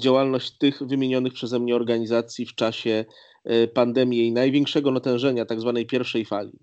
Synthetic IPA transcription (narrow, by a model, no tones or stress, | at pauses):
d͡ʑawalnɔɕt͡ɕt̪ɘxvɘmʲjeɲɔnɘxpʂɛzɛmɲɛɔɾɡaɲizat̪sʲjift͡ʂaɕɛ | pand̪ɛmʲjenajvʲjɛŋkʂɛɡɔnat̪ɛ̃w̃ʐɛɲat̪aɡzvanɛjpʲjɛɾfʂɛjfalʲḭ